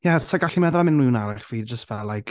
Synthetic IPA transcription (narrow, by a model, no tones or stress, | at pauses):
jɛsaɡaɬimɛðlˠamɪnwɪwnaɾɪχviːd͡ʒəstvɛlːajk